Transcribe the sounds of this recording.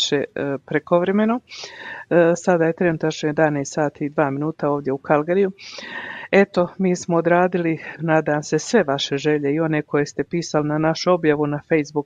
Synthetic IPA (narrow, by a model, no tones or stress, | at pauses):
ʃepɾeko̞ʋɾe̞me̞no | sad̪aːje̞t̪ɾe̞nut̪at͡ʃɲejed̪aneːst̪saːt̪iːd̪ʋaːminuːt̪ao̞ːʋd̪jeukʰalɡaɾiju | e̞t̪o̞miːsmoːd̪ɾaːd̪ilinaːd̪aːmse̞sʋe̞ʋaʃe̞ʒe̞ʎe̞io̞ne̞ːkʰo̞jest̪e̞piːsalinanaʃuo̞bjaʋunafe̞jzbuk